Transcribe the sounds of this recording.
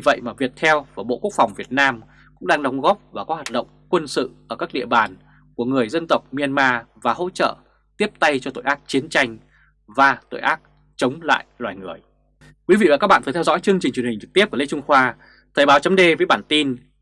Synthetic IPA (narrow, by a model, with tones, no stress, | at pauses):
i˧˩və̰˧˨jmaː˨˩vi˨˩ək̚t̪ʰɛ˧wfaː˧˩ɓo̰˧˨ku˦˥k̚fa˨˩wŋ͡mvi˨˩ət̚naː˧m | kʊ̰˧˥ŋ͡mɗaː˧ŋɗə˨˦wŋ͡mɣɔ˦˥p̚vaː˨˩kɔ˨˦hwaː˨˩t̚ɗə̰˧˨wŋ͡mkwə˧nsɨ̰˧˨ʔəː˧˩kaː˦˥k̚ɗḭ˧˨əɓaː˨˩n | ku˧˩əŋɨ˨˩əjzə˧nt̪ə˨˩wk͡p̚mi˧ə˧nmaː˧vaː˨˩ho̰˧˥t͡ɕə̰ː˧˨ | t̪i˦˥əp̚t̪a˧jt͡ɕɔ˧t̪o̰˧˨jʔaː˦˥k̚t͡ɕi˨˦nt͡ɕa˧jŋ̟ | vaː˨˩t̪o̰˧˨jʔaː˦˥t̚ | t͡ɕə˨˦wŋ͡mla̰ː˧˨jlwaː˨˩jŋɨ˨˩əj | kwi˨˦vḭ˧va˨˩kaː˦˥ɓa̰ː˧˨˩ə˨˩t̪ʰɛ˧wzɔ̰˧˥jt͡ɕɨ˧əŋt͡ɕï˨˩ŋ̟t͡ɕwhï˨˩ŋ̟t͡ɕɨ˨˩t̪i˦˥p̚kːle˧˥t͡ɕʊ˧ŋ͡mxwaː˧ | t̪ʰəː˨˩jɓaː˨˦wt͡ɕə˨˦ŋ͡mɗe˧vəː˨˦jɓaː˧˩nt̪i˧n